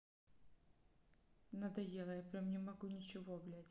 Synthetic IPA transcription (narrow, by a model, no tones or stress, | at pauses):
nɐd̪ɐjelˠəjapɾʲamnʲɪmɐɡunʲɪt͡ɕɪvoɐblʲatʲ